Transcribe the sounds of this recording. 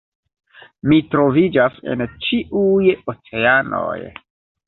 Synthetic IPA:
mitɾo̞vid͡ʒase̞̰nt͡ʃiʔujot͡se̞ano̰j

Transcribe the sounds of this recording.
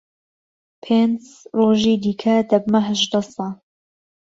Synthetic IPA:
pʰeːnz | roːʒiːd̪iːkʰɐd̪ɐbmɐɦəʒd̪ɐsɑlˠ

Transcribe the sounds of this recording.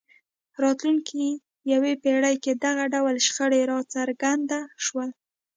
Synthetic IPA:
ɾɑt̪luŋkʰi | jawepeɽəjked̪aɣaɖawlʃxəɽeɾɑt͡saɾɡand̪aʃwəl

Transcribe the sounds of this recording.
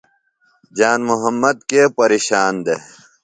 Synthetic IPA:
d͡ʑaːnmuɦɐmːɐd̪̚kepɐɾeːɕaːnd̪e

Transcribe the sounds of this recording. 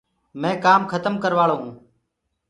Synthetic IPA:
mɛ̃ːkaːmkʰət̪əmkəɾʋaːɭoːɦũː

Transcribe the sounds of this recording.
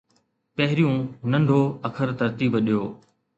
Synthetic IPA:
pɐɦɪɾijũːnɐ̃ɳɖʱoːɐkʰəɾt̪ɐɾt̪iːbɗijoː

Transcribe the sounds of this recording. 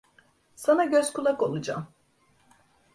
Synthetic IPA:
sanaɟøz̥kʰulˠako̞lˠud͡ʒa̰m

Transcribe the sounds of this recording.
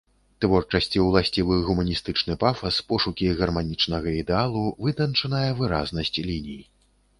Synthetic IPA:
t̪vɔrt͡ʂɐsʲt͡sʲiwlˠasʲt͡sʲivɨɣumɐnʲist̪ɨt͡ʂnɨpafɐspɔʂukʲiɣɐrmanʲit͡ʂnɐɣɐid̪ɛalˠuvɨd̪ɐnt͡ʂɐnɐjɐvɨɾa̰znɐsʲt͡sʲlʲinʲij

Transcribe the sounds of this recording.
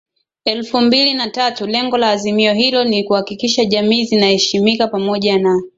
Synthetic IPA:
ɛlfumbilinatatulɛŋɡɔlaːzimiɔɦilɔnikuhakikiʃaʄamiːzinahɛʃimikapamɔʄana

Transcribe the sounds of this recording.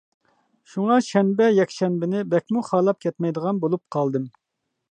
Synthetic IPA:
ʃuŋɑʃɛnbɛjɛkʲʃɛnbɪnɪbɛkʲmuχɑːlˠɑp̚kʲʰɛt̪mɛjd̪əʁɑnbolˠup̚qʰɑlˠd̪ɨm

